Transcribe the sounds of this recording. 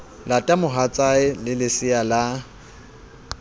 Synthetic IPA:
latʼamʊɦat͡sʼaɪlɪlɪsɪala

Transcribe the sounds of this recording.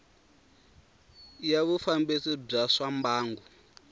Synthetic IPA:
jaβufambit͡sib͡ʐaʂambaːŋɡu

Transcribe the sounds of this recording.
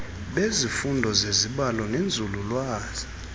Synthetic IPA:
ɓezifundʱɔzeziɓalɔnend͡zʱululwaːz̥i

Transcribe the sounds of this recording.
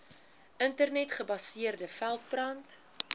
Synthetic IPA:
ʔəntərnɛtχəbɐsiərdəfælˠt̚brɐnt

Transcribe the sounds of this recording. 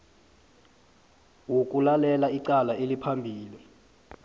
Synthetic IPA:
wok̬ʼulalɛlaiǀalaelipʰambʱiːli

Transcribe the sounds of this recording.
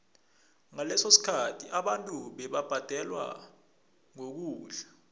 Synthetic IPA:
ŋalɛsosi̥kʰatʰiʔaɓantʼuɓɛɓab̥ʱad̥ʱɛlwa̰ | ŋok̬uːɮḁ

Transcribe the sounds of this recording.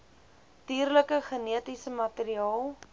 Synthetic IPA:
tiːrləkəχəniətisəmɐtəɾiɑːlˠ

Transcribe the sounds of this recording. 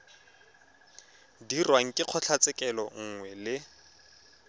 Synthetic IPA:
dirwaŋ̩kʼɪq͡χʰɔt͡ɬʰat͡sɪkʼɛlɔŋ̩ŋwɛlɪ

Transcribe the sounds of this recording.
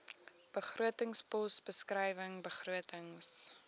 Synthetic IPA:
b̥əχruətəŋspɔsbəskrɛjvəŋbəχruətəŋs

